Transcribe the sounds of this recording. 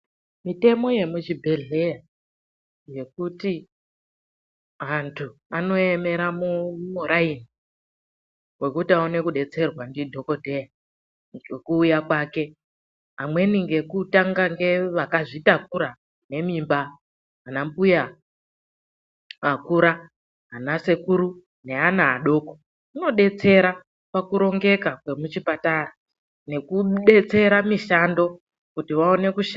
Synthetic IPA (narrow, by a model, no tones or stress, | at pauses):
mite̞mo̞je̞muʒibʱe̞ɮe̞ja | je̞kuti | ɦantʰuano̞e̞me̞ɾamumuɾaini | we̞kutiaone̞kuɗe̞t͡se̞rwandidʱo̞ko̞dʱeja | ŋekuːjakwaːke | ɦamwe̞niŋɡe̞kutaŋɡaŋɡe̞ʋakaʐitakuɾa | ne̞mimba | anampuja | akuɾa | ɦanase̞kuɾu | ne̞anaːɗo̞ko̥ | uno̞ɗe̞t͡se̞ɾa | pakuɾo̞ŋɡe̞kakwe̞mut͡ʃipatara | ne̞kuɗe̞t͡se̞ɾamiʃando̞ | kutiʋaone̞kuʃ